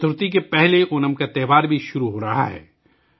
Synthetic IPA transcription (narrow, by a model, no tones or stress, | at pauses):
t̪ʊɾt̪ik̬epɛɦleʊnəmkat̪ɛːʋaːɾbʱiʃʊɾuɦoːɾɐɦa̰ɦɛ̰ː